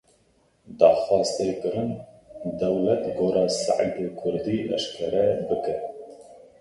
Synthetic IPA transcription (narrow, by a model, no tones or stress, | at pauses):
d̪ɑːxɑːst̪eːkɨɾɨnd̪ɛwlɛt̪ɡoːɾɑːsa̰ʕ̰dekʰʊɾd̪iːʔɛ̰ʃkʰɛɾɛbɨkɛ